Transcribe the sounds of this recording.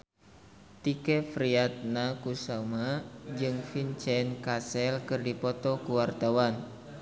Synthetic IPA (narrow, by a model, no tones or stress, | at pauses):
t̪ikɛfɾiat̪̚nakusamad͡ʒɨŋfint͡ʃɛnkasɛlkɨrdipɔt̪ɔkuwart̪awan